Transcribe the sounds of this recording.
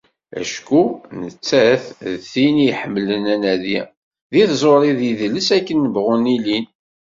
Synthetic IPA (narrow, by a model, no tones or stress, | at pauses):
æ̰ʃkunət͡sːæθðθinijħəmːlənænæði | ðiθzˤoɾˤiðiðləsækːənːəvʁʊnilin